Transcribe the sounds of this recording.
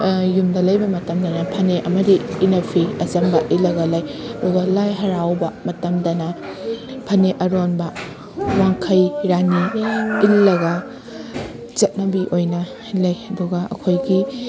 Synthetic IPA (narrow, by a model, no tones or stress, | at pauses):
jumdɐlɐjbɐmɐtɐmdɐnɐpʰɐneʔɐmɐdiːnɐpʰiɐzɐmbɐʔilːɐɡɐlɐjɐduɡɐlajɦɐɾawbɐmɐtɐmdɐnɐ | pʰɐneʔɐɾonbɐ | waŋkʰɐjɾaniilːɐɡɐ | zɐt̚nɐbiʔojnɐ | lɐjɐduɡɐɐ̰kʰojɡi